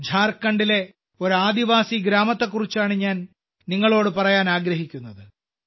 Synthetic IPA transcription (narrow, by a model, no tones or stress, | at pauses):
d͡ʑʱaːrkːɐɳɖile̞ | o̞ɾuaːd̪iʋaːsiɡɾaːmɐt̪ːekːurit͡ɕːaːɳɨɲaːn | niŋːɐɭo̞ːɽɨpɐrɐjaːnaːɡɾɐɦikʲːunːɐðɨ